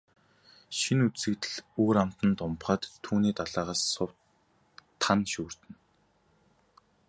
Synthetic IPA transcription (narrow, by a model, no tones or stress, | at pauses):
ʃinut͡ssɘ̆kt̪ɘ̆ɮoːɾam̥t̪ə̆nt̪ʊmpχaːt̪ʰːuːniːt̪aɮaːʁaːsːʊwt̪ʰː | anʃuːr̥t̪ɘ̆n